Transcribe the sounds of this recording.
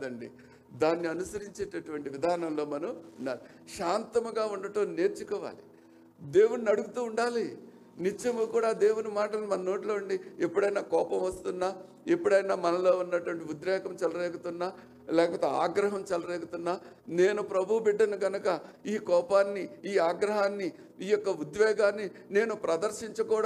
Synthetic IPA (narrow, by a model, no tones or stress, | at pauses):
d̪ɐɳɖḭ | d̪aːnːiɐnusɐɾiɲt͡ʃeːʈɐʈuʋɐɳʈiʋid̪ʱaːnɐnlo̞ːmɐnɐmuɳɖa̰ːli | ʃaːnt̪ɐmɐɡaːuɳɖɐʈoːneːɾt͡ʃukɔːʋa̰ːli | d̪eːwuninɐɽuɡut̪uːɳɖaːli | nit͡ʃːɐmukuːɽaːd̪eːwunimaːʈɐlɐnmɐnɐno̞ːʈilo̞ːuɳɖiepːuɽɐjnaːkɔːpɐmʋɐst̪unːaː | epːuɽɐjnaːmɐnɐlo̞ːunːɐʈuʋɐɳʈ̬iud̪ʋɛːɡɐmt͡ʃɐlɐɾeːkut̪unːaː | lɛːkɐpoːt̪ea̰ːɡɾɐɦɐmt͡ʃɐlɐɾeːkut̪unːaː | ne̞ːnupɾɐbʱubiɖːɐnɐɡɐnɐkɐiːkɔːpaːnːiiːaːɡɾɐɦaːnːi | iːjɔkːɐud̪ʋɛːɡaːnːi | ne̞ːnupɾɐd̪ɐɾʃiɲt͡ʃɐkɔːɽ